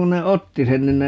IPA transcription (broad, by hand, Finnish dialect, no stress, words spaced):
ku ne otːi sen nin ne